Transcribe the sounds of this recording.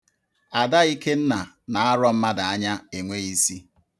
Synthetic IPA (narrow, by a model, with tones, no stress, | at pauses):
a˨da˦i˦ke˦n̩˦na˨ | na˨a˦ɾɔ˦m̩˦ma˦da˨a˦ɲa˦e˨ŋʷe˦i˦si˦